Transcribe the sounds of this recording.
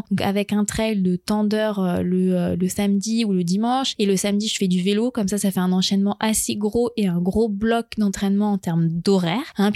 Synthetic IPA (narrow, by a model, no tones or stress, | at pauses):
d̪ɔ̃ka̰vɛkɛ̃t̪χɛld̪ət̪ɑ̃d̪œʁøləøləsamd̪iuləd̪imɑ̃ʃeləsamd̪iʒəfɛd̪yvelokɔmsasafɛɛ̃nɑ̃ʃɛnmɑ̃ʔaseɡʁoʔeɛ̃ɡʁoblɔkd̪ɑ̃t̪χɛnmɑ̃ːt̪ɛʁmd̪ɔʁɛːʁɛ̃p